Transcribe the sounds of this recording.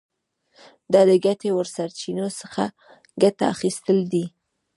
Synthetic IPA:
d̪ɑd̪əɡat̪ewəɾsaɾt͡ʃinosəxa̰ | ɡat̪a̰ːxist̪əld̪i

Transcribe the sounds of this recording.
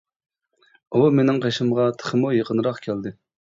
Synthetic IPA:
umenɪŋqʰeʃɪmʁɑt̪ʰə̥χəmujəqənɾɑqkʲʰæld̪ɨ

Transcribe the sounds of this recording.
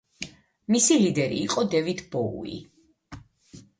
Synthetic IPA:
misilid̪ɛɾḭːqʼɔd̪ɛvit̪ʰbɔṵḭ

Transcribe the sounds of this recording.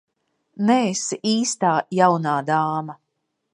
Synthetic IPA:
nɛesiʔiːst̪aːjawnaːd̪aːmɐ

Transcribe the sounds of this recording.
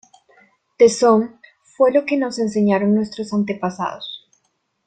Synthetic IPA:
t̪esom | fwe̞lo̞ke̞no̞se̞nse̞ɲaɾo̞ŋnwe̞st̪ɾo̞sant̪e̞pasa̰ðos

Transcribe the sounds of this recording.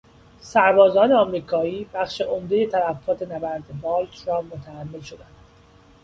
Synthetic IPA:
sæɾbɒːzɒːneɒmɾiːkʰɒːiːb̥æχʃe̞ʔomd̪e̞je̞t̪ʰælæfːɒːt̪ʰe̞næbæɾd̪ebɒːlt̪ɾɒːmot̪ʰææmːelʃo̞d̪ænd̪̥

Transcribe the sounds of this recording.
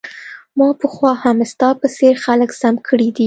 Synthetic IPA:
mɑpəxwɑhamst̪ɑpəseɾxaləksamkʰəɽid̪i

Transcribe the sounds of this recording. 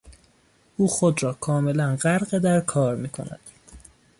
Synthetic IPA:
ʔuːxo̞d̪ɾɒːkʰɒːme̞lænɢæɾɢed̪æɾkʰɒːɾmiːkʰo̞̰næ̰d̪̥

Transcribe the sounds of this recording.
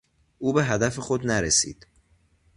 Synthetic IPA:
ʔuːbe̞ɦæd̪æfe̞xod̪næɾesḭːd̪̥

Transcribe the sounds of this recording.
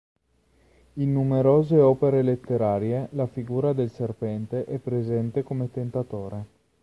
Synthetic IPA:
inːumeɾoːzeɔːpeɾelet̪ːeɾaːɾjelafiɡuːɾad̪elserpɛnt̪eʔɛpːɾezɛnt̪ekomet̪ent̪at̪oːɾe

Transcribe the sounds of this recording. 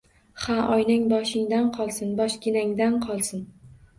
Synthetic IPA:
haʔɒjnɪŋbɒʃɪŋd̪anqʰɒlˠsɪnbɒʃkʲɪnaŋd̪anqʰɒlˠsɪn

